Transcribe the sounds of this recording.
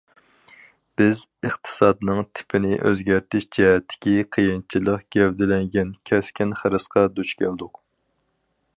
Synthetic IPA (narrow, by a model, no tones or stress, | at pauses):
b̥ɪz | əχt̪ʰɨ̥sɑd̪nɨŋt̪ʰɪ̥pʰɪnɪ̰ʔø̰zɡʲæɾt̪ʰɪʃd͡ʒɛɦɛt̪ʰːɪ̥kʲiqʰəjɨnt͡ʃʰilˠəqɡ̥ʲɛwd̪ɪlɛŋɡʲɛnkʲʰɛskʲinχəɾɨsqɑd̪ut͡ʃkʲʰæld̪ʊq